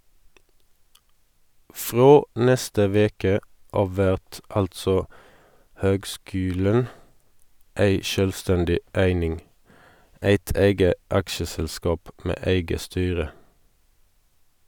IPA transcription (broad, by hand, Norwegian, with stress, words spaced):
ˈfʁoː ˈnɛstə ˈʋeːkə ˈɑːʋ ˈʋæʁt ˈɑltsɔ ˈhøːɡˌskʉːlən ˈæɪ ˈʃœlˌstɛndɪ ˈæɪnɪŋ ˈæɪt ˈæɪɡə ˈɑkʃəsɛlˌskɑːp ˈmeː ˈæɪɡə ˈstyːʁə